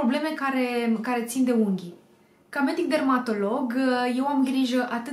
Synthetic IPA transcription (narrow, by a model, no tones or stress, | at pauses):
o̞ble̞me̞kaɾe̞kaɾe̞t̪sind̪e̞uŋɡʲi | kamed̪ik̚d̪e̞rmat̪o̞lo̞ɡje̞wamɡɾiʒəʔat̪ɨ